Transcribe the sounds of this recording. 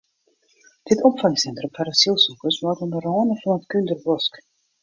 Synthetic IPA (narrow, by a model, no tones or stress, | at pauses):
d̥ɪtɔmfaŋsɛntrəmfarəsilˠsukəsmɔtənbərɔːnəfɔnətkyndərbɔsk